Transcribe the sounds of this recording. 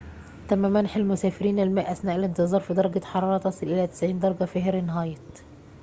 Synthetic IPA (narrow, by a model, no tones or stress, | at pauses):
t̪æmːæmænħelmʊsæːfɪɾiːnælmæːʔʔæsnæːʔælɪnt̪ɨzˤɑːɾˤfid̪ɑɾˤɑɡæħɑɾˤɑːɾˤɑt̪ɑsˤɨlʔelæt̪ɪ̥sʕiːnd̪ɑɾˤɡæfæhɾnɦɑːjɑt̪